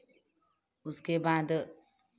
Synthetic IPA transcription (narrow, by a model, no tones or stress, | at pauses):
ʊskebaːd̪